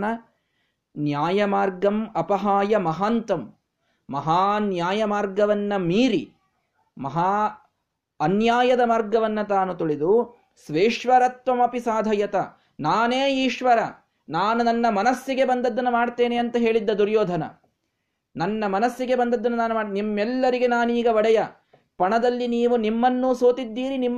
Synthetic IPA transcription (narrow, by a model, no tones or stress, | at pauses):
nɐ | njaːjɐmaːɾɡɐmɐpɐɦaːjɐmɐɦaːnt̪ɐmː | ɐɦaːnjaːjɐmaːɾɡɐʋɐnːɐmiːɾi | mɐɦaː | ɐnjaːjɐd̪ɐmaːɾɡɐʋɐnːɐt̪aːnut̪uɭid̪u | sʋeːʂʋɐɾɐt̪ʋɐmɐpisaːd̪ʱɐjɐt̪ɐ | naːneːiːʂʋɐɾɐ | naːnunɐnːɐmɐnɐsːiɡe̞bɐnd̪ɐd̪ːɐnːumaːɽt̪e̞ːneɐnt̪ɐɦe̞ːɭid̪ːɐd̪uɾjoːd̪ʱɐnɐ̰ | nɐnːɐmɐnɐsːiɡe̞bɐnd̪ɐd̪ːɐnːunaːnumaːnimːɛlːɐɾiɡe̞naːniːɡɐʋɐɽɐjɐ | pɐɳɐd̪ɐlːiniːʋunimːɐnːuːsoːt̪id̪ːiːɾinimː